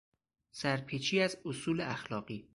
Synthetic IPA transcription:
sæɾpʰit͡ʃʰiːæzosuːleæxlɒːɢiː

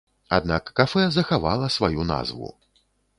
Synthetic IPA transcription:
a̰d̪nakːafɛzɐxavalˠɐsvajuna̰zvṵ

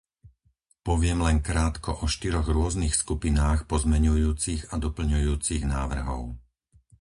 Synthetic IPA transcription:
pɔʋɪɛmlɛŋkɾaːt̪kɔʔɔʃt̪iɾɔɣɾʊɔznixskupinaːxpɔzmɛɲujuːt͡siɣad̪ɔpl̩ɲujuːt͡siɣnaːʋr̩ɦɔ̰ʊ

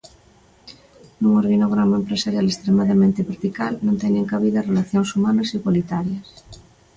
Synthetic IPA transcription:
nũŋoɾɣinoɣɾamaempɾesaɾjalest̪ɾemaðamẽnt̪eβeɾt̪ikalnõnt̪ɛjnẽŋkaβiðarelaθjoŋsumanɐsiɣwolit̪aɾjɐs

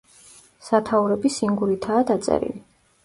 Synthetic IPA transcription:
sat̪ʰauɾɛbisiŋɡuɾit̪ʰaːd̪at̪sʼɛ̰ɾḭli

